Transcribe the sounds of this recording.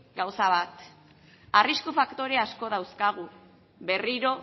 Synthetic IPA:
ɡawsaβat̪ | ariskufakt̪o̞ɾe̞asko̞ðawskaɣ̞u | βe̞riɾo̞

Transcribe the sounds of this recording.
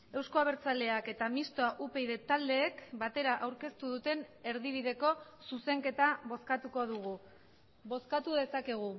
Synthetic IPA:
e̞wsko̞aβ̞e̞ɾt͡sale̞ake̞t̪amist̪oaʔupe̞jðe̞t̪ald̪e̞ːkbat̪e̞ɾaʔawɾke̞st̪uðut̪e̞ne̞ɾðiβ̞iðe̞ko̞suse̞ŋke̞t̪aβo̞skat̪uko̞ð̞uɣ̞u | βo̞skat̪uðe̞sakeɣ̞u

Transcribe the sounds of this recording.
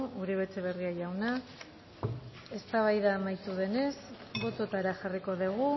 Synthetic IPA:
uɾiβe̞t͡seβ̞e̞riajawna | e̞st̪aβ̞ajðaːmajt̪uðe̞ne̞sbo̞t̪o̞t̪aɾaxariko̞ðeɣu

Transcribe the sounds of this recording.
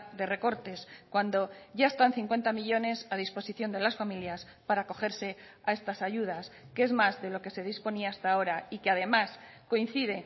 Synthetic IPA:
d̪e̞re̞ko̞ɾt̪e̞skwand̪o̞ʝae̞st̪anθiŋkwe̞nt̪amiʎo̞ne̞saðispo̞siθjo̞nd̪e̞lasfamiljas | paɾaːko̞xe̞ɾse̞ | ae̞st̪asaʝuð̞askee̞zmazðe̞lo̞ke̞se̞ð̞ispo̞niaest̪ao̞ɾaikeað̞e̞masko̞in̟θið̞e̞

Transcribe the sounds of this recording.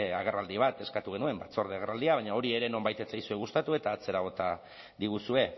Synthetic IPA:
eaɣ̞e̞rald̪iβ̞at̪e̞skat̪uɣ̞e̞nue̞mbat͡so̞ɾðeaɣ̞erald̪iaβaɲao̞ɾie̞ɾe̞no̞mbajt̪e̞t͡sajsueɣ̞ust̪at̪ue̞t̪aːt͡se̞ɾaɣ̞o̞t̪a | ðiɣ̞usue̞

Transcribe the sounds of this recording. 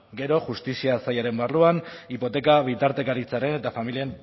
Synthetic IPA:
ɡe̞ɾo̞ʝust̪isiasajaɾe̞mbarluanipo̞t̪e̞kaβ̞it̪aɾt̪e̞kaɾit͡saɾe̞ne̞t̪afamilien

